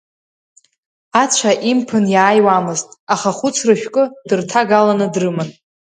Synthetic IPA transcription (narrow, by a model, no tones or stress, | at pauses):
at͡ɕʷʰaʔimpʰɨnjaːjwamɨztʼaχaχʊt͡sʰrɨʃᶣkʼɨd̥ɨrtʰaɡalanɨdrɨmɨn